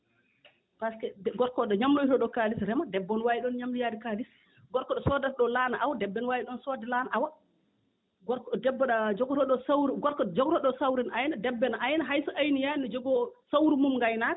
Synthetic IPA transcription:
paskɛɡɔɾkɔɗɔɲamlojtɔɗɔkalisɾɛmadɛbːɔnwajiɗɔnɲamlijaːdikalis | ɡɔɾkɔɗɔsɔdatɗɔlanaʔawdɛbːɛnwajiɗɔnsɔdɛlanaʔawa | ɡɔkdɛbːɔɗad͡ʒɔɡɔtɔɗɔswɾɡɔɾkɔd͡ʒɔɡɔtɔɗɔsawɾɛnʔajnadɛbːɛnaʔajnaɦajsɔʔajnijanɔd͡ʒɔɡɔsawɾumumŋɡajna

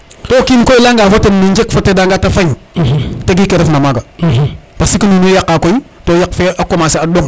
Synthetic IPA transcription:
tokimkoilaŋɡafotːenmind͡ʒekfotːedaŋɡatafajteɡikeɾefnamaɡapasikininujakːakoitojakfeʔakomaseadoŋ

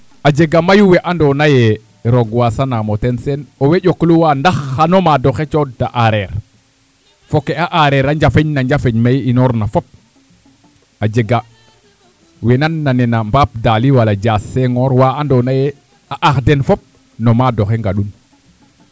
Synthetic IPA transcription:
ad͡ʒeɡamajuweʔandonaje | ɾoɡwasanamotensenoweɟokluwandaxanomadoxet͡ʃodaʔaɾeɾ | fokeaʔaɾeɾaɲd͡ʒafeɲnaɲɟafeɲmajinoɾnafop̚ | ad͡ʒeɡa | wenanːanenambaːp̚daliwalaɟaːsːeŋoːɾwaandonaje | aʔaxdenfop̚ | nomadoxeŋɡaɗun

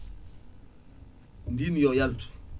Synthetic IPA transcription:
mbimjɔjaltu̥

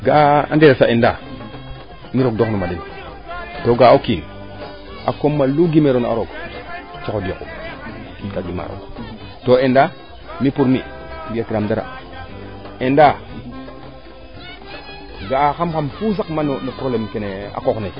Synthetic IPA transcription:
ɡaa̰ndeɾesaenda | miɾoɡ̚doknomadin | toɡaakin | a̰komːaluɡimeɾona̰ɾoɡ | t͡ʃokodiokṵ | kinkaɡima̰ɾo̰ | toenda | mipuɾmi | bijatiɾamdaɾa̰ | enda | ɡaxamkamfuzakmanonepɾolemkenea̰kokne

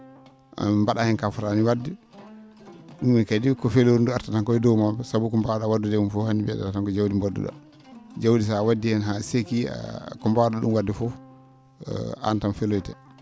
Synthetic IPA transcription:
mbaɗahɛnkafuɾaniwadi | ɗumikadikɔfeloɾinduaɾtataŋkɔɛdɔwmabɛsabukɔmbawɗawadːudɛumfɔhanibɛa̰ɗatatankɔd͡ʒawdimbɔdːṵɗa̰ | d͡ʒawdis̬awadːihɛnɦasekḭkɔmbawɗaɗṵmwadːifɔ̰ | a̰ntanfelojtɛ̰

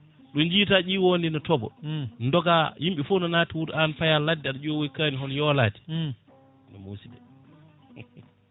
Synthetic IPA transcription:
ɗɔnd͡ʒiːtaʔiwondinɔtɔbɔ̰ndɔɡajimɓɛfunɔnaːtiwuɾanfajaladːɛaɗɔd͡ʒowɔjkaniɦɔnjɔla̰ːti̥ | nɔ̰mṵsidɛ

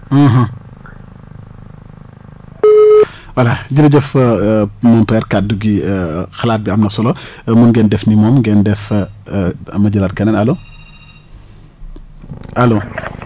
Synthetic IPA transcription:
ɐɦɐ̃ | wɐlɐɟilɐɟɛf | mɔmpɛɾkat̚duɡixɐlaːt̚biɐmnɐfsɔlɔmunɡɛndɛfnimɔːmɡɛndɛf | mɐɟɐlɐt̚kɐnɛnɐlo | ʔɐloː

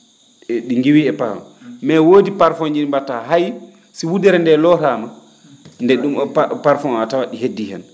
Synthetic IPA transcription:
ɗiŋɡiwiɛpaɾfa̰mɛwoːdipaɾfoɲd͡ʒinmbataɦaj | siwudɛɾɛndɛlɔtama | ndɛɗumpaɾfɔnatawaɗiɦedːihɛn

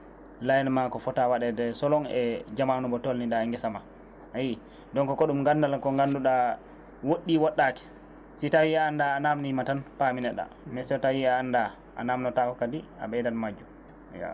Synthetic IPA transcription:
lajɛnmakɔfɔtawaɗɛdɛsɔlɔŋɛ̰d͡ʒamanubɔtolnindaŋɡɛsama | aji | dɔnkɔkɔɗumŋɡandalkɔŋɡanduɗa | woɗːiwɔɗːakɛ̥ | sitawiaːndaːnamnimatanpaminɛɗa̰ | mɛsɛtawiaːnda | ʔa̰namnɔtakɔkadia̰ɓɛdanmad͡ʒːu | ja̰

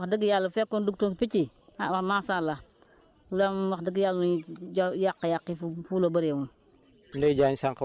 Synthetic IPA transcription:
diɡijalːufekːonduk̚toŋkipit͡ʃi | awamasala | ulamwaxdiɡijalud͡ʒjakːajakːifufulobaɾemun | nded͡ʒaɲsaŋk

